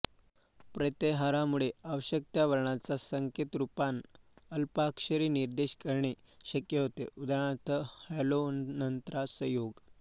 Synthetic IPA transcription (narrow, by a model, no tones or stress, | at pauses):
pɾət̪eɦaɾamuɭeaʋəɕək̚t̪jaʋəɾɳat͡sasəŋket̪ɾupanəlpakɕəɾiːniɾd̪eɕkəɾɳe | ɕəkjəɦot̪eud̪aɳ̃at̪əhelonənt̪ɾasəjoɡ